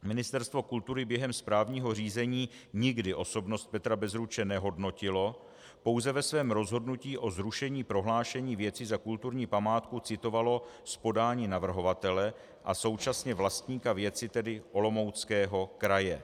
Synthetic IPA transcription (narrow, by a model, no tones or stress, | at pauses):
mɪnɪst̪ɛɾst̪vo̞kult̪uɾɪbjɛɦɛmspɾaːvɲiːɦo̞r̝iːzɛɲiː | ɲɪɡdɪʔo̞so̞bnost̪̚pɛt̪ɾabɛzɾut͡ʃɛnɛɦo̞dno̞cɪlo̞ | po̞wzɛvɛsvɛːmɾo̞zɦo̞dnuciːʔo̞zɾuʃɛɲiːpɾo̞ɦlaːʃɛɲiːvjɛt͡sɪzakult̪uɾɲiːpamaːt̪kut͡sɪt̪o̞valo̞spo̞daːɲiːnavr̩ɦo̞vat̪ɛlɛ | ʔaso̞wt͡ʃasɲɛvlast̪ɲiːkavjɛt͡sɪt̪ɛdɪʔo̞lo̞mo̞wt͡skɛːɦo̞kɾajɛ